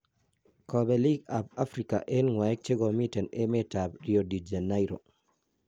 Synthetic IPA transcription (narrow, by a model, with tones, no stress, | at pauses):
kʰɔ˨bɛ˨li˦ɡa˨ba˦fɾika̰˨ʔe˦nŋwa˨ɛ˦k̚t͡ʃe˦ɡɔ˨mi˦tɛ˨ne˦me˦ta˨bɾiodi˨d͡ʒa˨na˦iɾo̰˨